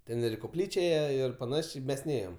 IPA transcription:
ˈtʲɛn ɪr ɪ koːˈpʲlʲiːt͡ʃʲɛ ˈeːjɛ ɪr pɐˈnɑːʃʲeː ˈmʲɛs ˈnʲeːjoːm

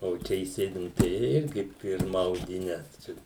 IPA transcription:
oː ˈt͡ʃʲɛ iːˈsʲeːdʲɪ ˈnʊ tɐɪ ˈɪrʲɡʲɪ ˈpʲɪrmɐ ɐʊdʲɪˈnʲɛ ˈt͡ʃʲɛ

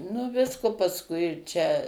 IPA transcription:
nʊ ˈʋʲɪskoː pɐsˈkʊɪ t͡ʃʲɛ

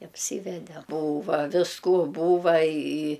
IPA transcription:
ɐpʲˈsʲiːʋʲɛdʲɛ ˈbuːʋɐ ʋʲɪsˈkuː ˈbuːʋɐ ɪ ɪ

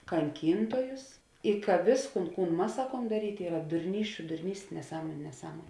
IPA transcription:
kɐŋʲˈkʲiːntoːjʊs ɪ kɐ ˈʋʲeːsˌkuːn ˈkuːn ˈmɐs ˈsɑːkuɔm dɐˈrʲiːtʲeː ˈiːrɐ dʊrʲˈnʲiːsʲt͡ʃʲʊ dʊrʲˈnʲiːsʲtʲeː nʲɛˈsɑːmoːnʲʊ nʲɛˈsɑːmoːnʲ

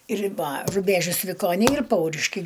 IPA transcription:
rʲɪbɐ rʊˈbʲæːʒʲʊs ʋʲɪkoːˈnʲɛɪ ɪr ˈpɐʊrʲɪʃʲkʲɛɪ

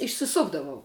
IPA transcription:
ɪʃʲsʲɪˈsʊɡdɐʋɐʊ

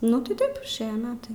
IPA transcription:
nʊ tɐɪ ˈtɐɪp ɪʃʲˈeːjɛ ˈmʲæːtɐɪ

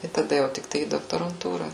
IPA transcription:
ɪ tɐˈdɐ jɛʊ tʲɪkˈtɐɪ iː doːktoːrɐnˈtuːrɐ

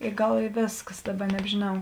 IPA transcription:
ɪ ˈɡɐlˠ ɪ ˈʋʲeːskɐs ˈdɑːˌbɐ nʲɛbʲʒʲeːˈnɐʊ

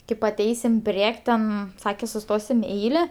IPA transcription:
kɐɪp ɐˈtʲɛɪsʲɪm ˈpʲrʲiɛkʲ tʲɛn ˈsɑːkʲɛ sʊˈstoːsʲɪm ɪ ˈɛɪlʲɛ

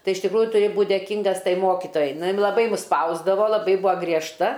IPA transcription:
ˈtɐɪ ɪʃ tʲɪkˈruːjʊ tʊˈrʲɪ ˈbuːt dʲeːˈkʲiːŋɡɐs ˈtɐɪ ˈmoːkʲɪtoːjɛɪ ˈnʊ ˈjɪn lˠɐˈbɐɪ mʊs ˈspɐʊzdɐʋoː lˠɐˈbɐɪ ˈbuɔ ɡrʲiɛʃˈtɐ

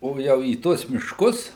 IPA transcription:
ˈoː ˈjɛʊ iː ˈtuɔs mʲɪʃˈkʊs

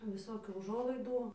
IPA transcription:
ʋʲɪˈsoːkʲuː ʊˈʒuɔlˠɐɪduː

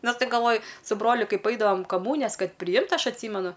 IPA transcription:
ˈnɐs ˈtɐɪp ɡɐlˠˈʋoːjʊ sʊ ˈbroːlʲʊ ˈkɐɪp ˈɐɪdɐʋoːm kɐˈmuːnʲɪjɛs ˈkɐt pʲrʲɪˈjɪmt ɐʃ ɐtʲˈsʲiːmʲɛnʊ

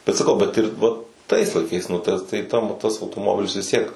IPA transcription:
bʲɛt sɐˈkɐʊ ˈbʲɛt ɪr ˈʋɐ tɐɪs lˠɐɪˈkɐɪs nʊ ˈtɐ tɐɪ ˈtɐm tɐs ɐʊtoːˈmoːbʲɪlʲɪs ʋʲɪs ˈtʲiɛk

